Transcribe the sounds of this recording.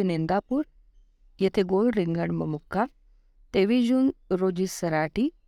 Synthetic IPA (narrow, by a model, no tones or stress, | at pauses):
enend̪aːpuɾ | jet̪ʰeɡoːlɾɪŋɡɐɳmɐmukːa | t̪eːʋid͡ʒunɾoːd͡ʒisɐɾaːʈi